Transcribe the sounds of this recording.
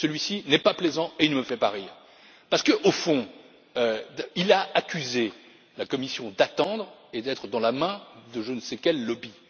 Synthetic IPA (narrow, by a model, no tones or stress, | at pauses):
səlɥisinɛpaplezɑ̃eilnəməfɛpaʁiːʁ | paʁsə̥kəʔofɔ̃ | øilaakʲyze | lakɔmisjɔ̃d̪at̪ɑ̃d̪ʁed̪ɛt̪χəd̪ɑ̃lamɛ̃d̪əʒənəsekʲɛlːɔbi